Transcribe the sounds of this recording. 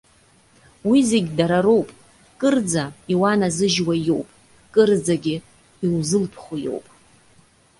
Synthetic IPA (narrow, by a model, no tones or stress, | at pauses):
wizeɡʲdaɾaɾo̞wpʼ | kʼɨrd͡zaiwanazɨʒwajo̞wpʼ | kʼɨrd͡zaɡʲɪ | iwzɨlpʰχʷujo̞̰wpʼ